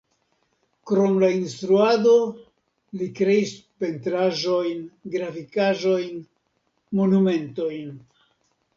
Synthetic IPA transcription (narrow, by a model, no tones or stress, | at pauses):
kɾo̞mlainst̪ɾuado̞ | likɾe̞ispe̞ntɾaʒo̞jnɡɾafikaʒo̞jn | mo̞nume̞nto̞jn